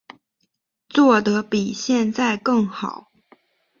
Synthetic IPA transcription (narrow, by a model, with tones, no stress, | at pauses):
t͡swɔ˥˩d̪ɤ˧˦pi˨˩ɕjɛ˥˧nt͡sa˥˧ɪkɤ˥˩ŋxɑ˨˩˦ʊ